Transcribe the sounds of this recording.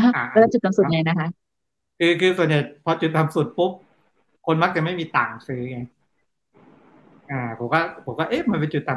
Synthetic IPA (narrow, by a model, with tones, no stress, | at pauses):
la˧˩t͡ɕu˨t̪̚ːa˨su˨˩˧ŋa˧˩jna˦˥kʰa˦˥ | kʰɯː˧kʰɯː˧su˨˩ənja˨˩jpʰɔː˧t͡ɕu˨˩t̪̚ːa˨˧˨msu˨˩t̪̚pu˦˥p̚ | kʰo˧nma˦˥k̚t͡ɕa˨˩ma˥˩jmiː˧t̪a̰ː˨˩ŋsɯː˦˥˧ŋa˧j | ʔaː˨˩pʰo˩˦mkɔː˥˩pʰo˩˦kɔː˥˩ʔe˦˥˩ma˧npe˧nt͡ɕu˨˩t̪ːa˨˩˨